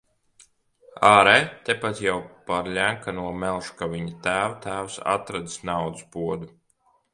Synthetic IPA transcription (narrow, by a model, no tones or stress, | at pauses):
aːɾɛt̪ɛpat̪jawpaɾʎʲæŋkanuɔmɛlˠʃkavʲiɲat̪æːwat̪æːwsa̰t̪ɾad̪i̥snawd̪uspuɔd̪u